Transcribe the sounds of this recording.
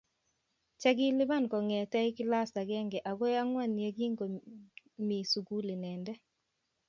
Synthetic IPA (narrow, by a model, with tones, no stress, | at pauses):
t͡ʃɛ˦ɡɪ˦lɪ˦βa˦nkɔ˨ŋɛ˨tɛ˦ɪ˦kɪ˦la˦sa˨ɣɛ˦ŋɡɛ˨ʔa˨ɣɔ˦ja˦ŋwa˦˨nje˦ɡi˦ŋɡo˨ | mi˨su˨ɡu˦le˨nɛː˨ndɛ˦